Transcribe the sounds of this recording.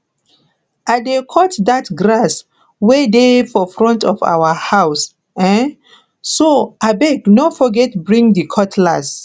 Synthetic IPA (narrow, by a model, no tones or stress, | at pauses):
adekʰɔtdatɡɹas | wɛdefɔfɹɔ̃ntʰɔfa̰wəhaws | ɛ̃n | soabɛɡnofɔɡɛtbɹĩŋdikʰɔtʰlas